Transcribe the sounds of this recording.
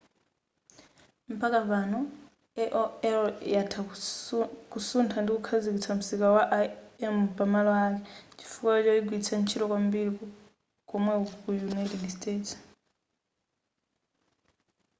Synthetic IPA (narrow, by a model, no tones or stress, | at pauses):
m̩pakapanɔ | ɛʔɔɛljatʰa | kusuntʰandikukʰazikit͡sʰam̩sikawaʔɛmpamalɔak̬ɛt͡ʃi̥fukwat͡ʃɔiɡwit͡sʰant͡ʃʰiɾɔkwambiɾikɔ | kɔmwɛkujunajtɛdsteːts